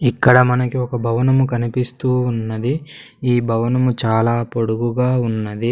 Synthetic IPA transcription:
ikːɐɽɐmɐnɐkiɔkɐbʱɐʋɐnɐmukɐnipist̪uːnːɐd̪i | iːbʱɐʋɐnɐmut͡ʃaːlaːpo̞ɽuɡuɡaːunːɐd̪i

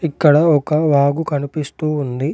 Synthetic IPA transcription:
ikːɐɽɐɔkɐʋaːɡukɐnipist̪uːnd̪i

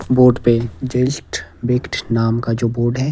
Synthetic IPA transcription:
boːɾɖped͡ʒeʃʈbekʈʰnaːmkad͡ʒoːboːɾɖɦɛː

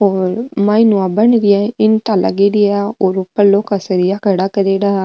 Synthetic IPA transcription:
oːɾmãinũãbəɳɾɪjaːɪnt̪alʔə̰ɡeɾiaoːɾʊpːəɾloːkəsɾɪjakəɽaːkəɾeɽaː

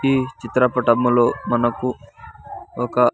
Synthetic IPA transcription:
iːt͡ʃit̪ɾɐpɐʈɐmulo̞ːmɐnɐku | ɔkɐ

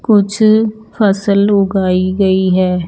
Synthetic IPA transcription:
kʊt͡ʃʰpəsəlʊɡaːiɡɐiɦɛː

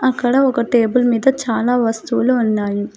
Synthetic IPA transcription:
ɐkːɐɽɐɔkɐʈeːbulmiːd̪ɐt͡ʃaːlaːʋɐst̪uːluːnːaːju

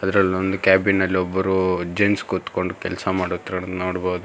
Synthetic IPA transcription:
ɐd̪ɐɾɐlond̪ukʲjaːbinːɐlːiɔbːɐɾud͡ʒenskut̪ːko̞ɳɖukɛlɐsɐmaːɽot̪ːɾɐnoːɽboːd̪u

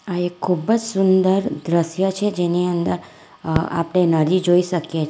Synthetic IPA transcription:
aekʰːubəd͡ʒsʊnd̪əɾd̪ɾəʃjət͡ʃʰed͡ʒeniənd̪əɾ | a̰pɽenəɾid͡ʒoiʃəkjet͡ʃʰ

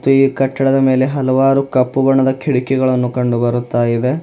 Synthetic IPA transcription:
t̪ːuiːkɐʈːɐɽɐd̪ɐme̞ːle̞ɦɐlɐʋaːɾukɐpːubɐɳːɐd̪ɐkʰiɽikɛɡɐɭɐnːukɐɳɖubɐɾut̪ːaːjid̪e̞

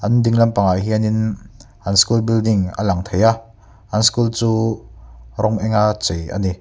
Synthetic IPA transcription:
ʔɐndiŋlɐmpaŋaɦianin | ʔɐnskulbildɪŋa̰lɐŋt̪ʰeja | ʔɐnskult͡suː | rɔŋʔɛŋat͡sejʔɐ̰ni

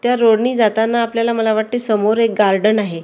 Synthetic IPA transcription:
t̪jaɾoɽɳiːd͡zat̪anːaːpljalaməlaʋaʈ̚t̪esəmoɾek̚ɡaɾɖənaɦe

